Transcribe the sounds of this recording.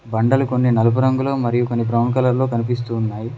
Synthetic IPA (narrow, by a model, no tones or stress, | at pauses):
bɐɳɖɐluko̞nːinɐlɐp̬uɾɐŋɡuloːmɐɾijukonːip̬ɾɐwnkɐlɐɾlo̞ːkɐnip̬is̬t̪uːnːaːji